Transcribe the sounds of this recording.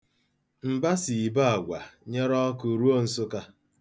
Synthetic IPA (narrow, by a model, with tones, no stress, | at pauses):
m̩˨ba˦si˨i˨ba˦a˨ɡʷa˨ɲe˦ɾɔ˦ku˨ɾu˦o˦n̩˨sʊ˦ka˦